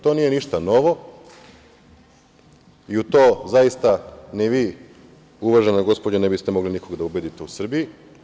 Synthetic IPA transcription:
t̪o̞nije̞niʃt̪ano̞ʋo̞ | iut̪o̞ːzajist̪anɛʋiː | uʋaʒenaɡo̞spod͡ʑanebist̪emo̞ɡliniko̞ɡd̪aubed̪it̪eusr̩biji

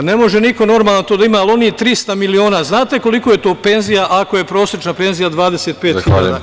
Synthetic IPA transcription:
ne̞mo̞ʒeniko̞no̞ɾmaːlˠant̪od̪aimaːlˠo̞niːt̪ɾist̪amilio̞ːnaːznaːt̪e̞ko̞likoje̞t̪oːpe̞nzijaʔako̞je̞pɾo̞ːsɾet͡ʃnape̞nzijad̪ʋaːd̪e̞seːt̪̚peːxiʎa̰ːd̪a̰

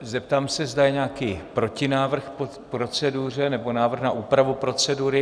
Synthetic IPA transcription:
zɛp̚t̪aːmsɛzd̪ajɛɲaːkiːpɾo̞cɪnaːvr̩xpo | pɾo̞t͡sɛduːr̝ɛnɛbonaːvr̩xnaʔuːpɾavupɾo̞t͡sɛduːɾɪ

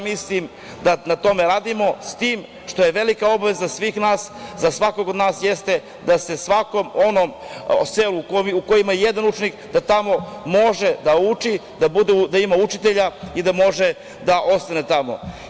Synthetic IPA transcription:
mislim | d̪anat̪o̞me̞ɾaːd̪imo̞st̪iːm | ʂt̪o̞je̞ʋe̞likao̞baʋe̞zasʋiːxnaːszasʋakoɡod̪naːsjest̪e̞ | d̪ase̞sʋakomonom | selukoiuko̞jimajejed̪anut͡ʃenikd̪at̪amo̞moʒed̪aut͡ʃid̪abud̪ed̪aimaut͡ʃit̪eʎaid̪amo̞ʒe | d̪aʔo̞st̪ane̞t̪amo̞̰

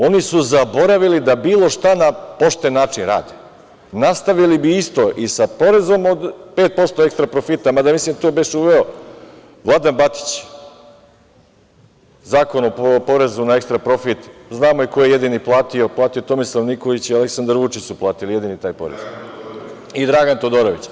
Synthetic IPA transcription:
o̞nisuzabo̞ɾaʋilid̪abiːlˠo̞ʃt̪anapo̞ʃt̪enːaːt͡ʃinɾa̰ːd̪e | nast̪aʋilibiist̪o̞ʔisapo̞ɾe̞zo̞mod̪pe̞ːt̪̚po̞st̪o̞e̞kst̪ɾapɾo̞fit̪amad̪amislimt̪obeʃuʋe̞o | ʋlˠad̪anbat̪i̥t͡ɕ | zaːko̞nopo̞ɾe̞zunaekst̪ɾapɾo̞fit̪znaːmoikojeje̞d̪iniplˠaːt̪io̞plˠaːt̪ijo̞t̪o̞mislˠaʋniko̞ʋit͡ɕialeksand̪ɾʋut͡ʃit͡ɕsuplˠaːt̪ilije̞d̪init̪aːjpo̞̰ɾḛz | id̪ɾaɡant̪o̞d̪o̞ɾoʋit͡ɕ

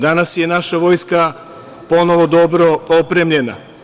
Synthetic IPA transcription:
d̪anasje̞naʃaʋo̞jska | po̞no̞ʋo̞d̪o̞bɾo̞opɾemʎe̞na̰

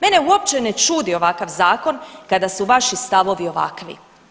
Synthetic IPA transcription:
meneuo̞p̚t͡ʃenet͡ʃuːd̪io̞ʋakaʋzaːko̞nkad̪asuʋaʃist̪aʋo̞ʋio̞ʋa̰kʋḭ

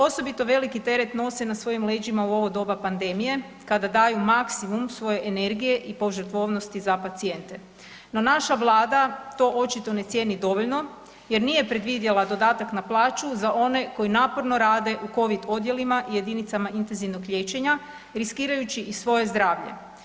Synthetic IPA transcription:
o̞so̞bit̪o̞ʋe̞likit̪e̞ɾet̪no̞senasʋo̞jimle̞ːd͡ʒimauo̞ʋo̞d̪o̞bapand̪e̞mije̞ | kad̪ad̪aːjumaksimumsʋo̞je̞ʔene̞ɾɡije̞ʔipo̞ʒɾ̩t̪ʋo̞ʋno̞st̪izapat̪sie̞nt̪e̞ | no̞naʃaʋlˠaːd̪at̪o̞ʔo̞t͡ʃit̪o̞ne̞t̪sʲjenid̪o̞ʋo̞ʎno̞ | je̞ɾnije̞pɾe̞d̪ʋid̪jelad̪o̞d̪aːt̪aknaplˠaːt͡ʃuzaʔo̞ne̞ko̞jinaːpo̞ɾno̞ɾaːd̪e̞ʔuko̞ʋid̪o̞d̪je̞limaʔije̞d̪init̪samaint̪e̞nziʋnoɡʎe̞ːt͡ɕe̞ɲa | ɾiskiːɾajut͡ɕiʔisʋo̞je̞zd̪ɾaːʋʎe̞̰

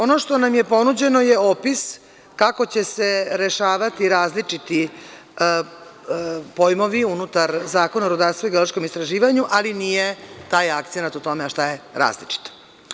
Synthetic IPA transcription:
o̞noʃt̪onamjepo̞nud͡ʑe̞nojeopis | kako̞t͡ɕe̞se̞ɾe̞ʃaːʋat̪iɾaːzlit͡ʂit̪i | pojmo̞ʋiunut̪aɾzaːko̞naɾud̪aɾst̪ʋaiɡeoloʃko̞mist̪ɾaʒiːʋaɲuʔalinijet̪aːjakt̪senat̪ut̪o̞meaʃt̪ajeɾa̰ːzlit͡ʂi̥t̪o̥

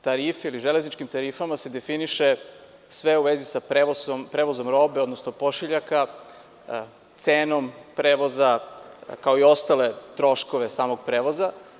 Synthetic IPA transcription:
t̪aɾiːfiiliʒele̞znit͡ʃkimt̪aɾifamase̞d̪e̞finiʃe | sʋe̞uʋezisapɾeʋosompɾeʋozo̞mɾo̞be̞od̪nosnopo̞ʃiʎaka | t̪seːno̞mpɾeːʋo̞zakao̞io̞st̪ale̞t̪ɾo̞ʃko̞ʋe̞saːmo̞ɡ̚pɾeːʋo̞za

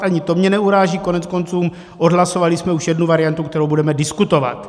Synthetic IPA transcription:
ʔaɲɪt̪o̞mɲɛnɛuɾaːʒiːko̞nɛt͡sko̞nt͡suːm | ʔodɦlaso̞valɪsmɛuʃjɛdnuvaɾɪjant̪ukt̪ɛɾowbudɛmɛdɪskut̪o̞va̰t̪

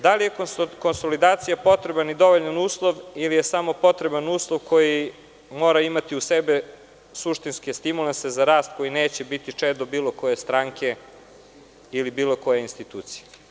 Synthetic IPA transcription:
d̪alije̞kko̞nso̞lid̪aːt̪sijapo̞t̪ɾebanid̪o̞ʋoʎanuːslˠoʋilije̞samo̞po̞t̪ɾebanuːslˠoʋkʰo̞ji | mo̞ːɾaimat̪iusebe | suʃt̪inskest̪imulensezaɾaːst̪̚ko̞ineːt͡ɕebit̪it͡ʂed̪obiːlˠo̞ko̞je̞st̪ɾaŋkʰe̞ | ilibiːlˠo̞ko̞jeinst̪it̪uːt̪sije

